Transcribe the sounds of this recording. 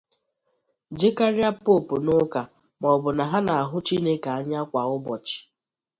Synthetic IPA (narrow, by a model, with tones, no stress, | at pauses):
d͡ʒe˦ka˦ɾja˦po˦˨pʊ˨nʊ˦ka˨ | mɔ˨bʊ˨na˨ɦa˦na˨a˨ɦʊ˦t͡ʃi˦ne˦ka˨a˦ɲa˦kʷa˨ʊ˦bɔ˨t͡ʃɪ̥˨